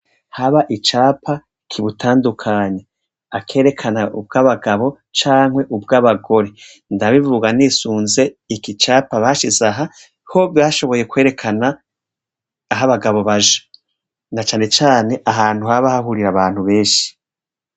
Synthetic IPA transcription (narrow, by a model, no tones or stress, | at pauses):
haβaʔit͡ʃaːpʰa | kʰiβutʰaːndukʰaɲe̞ | akʰe̞ːɾe̞kʰanaub̚ɡaːβaɡaβo̞ | t͡ʃaːŋhwe̞ʔub̚ɡaβaɡo̞ɾe̞ | ndaβivuɡanisuːnze̞ikit͡ʃaːpaβaʃizaɦa | ho̞bjaːʃo̞βo̞je̞kweːɾe̞kʰana | ɦaβaɡaβo̞βaʒḁ | nat͡ʃaːne̞t͡ʃaːne̞ʔaɦaːn̥huhaβahahuɾiɾaβaːn̥huβe̞ːʃi̥